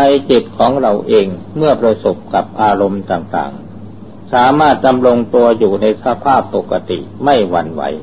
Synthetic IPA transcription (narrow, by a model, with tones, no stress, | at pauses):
na˧jt͡ɕi˨˩t̪̚kʰɔː˩˦ŋɾa˧wʔeː˧ŋ | mɯ˥˩ɐpɾa˧so˨˩p̚ka˨˩p̚ʔaː˧ɾo˧mt̪aː˨˩ŋt̪a̰ː˨˩ŋ | saː˩˦maː˥˩t̪̚da˧mɾo˧ŋt̪u˧ɐjuː˨˩na˧jsa˧˦pʰaː˥˩pːo˨˩ka˧t̪ḭ˨˩ʔma˥˩jwa˧nwa̰˩˦j